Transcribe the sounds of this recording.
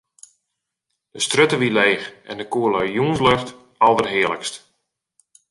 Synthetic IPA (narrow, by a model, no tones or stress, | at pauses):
d̥əstrøtəʋileːxɛndəkuəlajuənsløxt | ɔlˠdərɦɪələ̰kst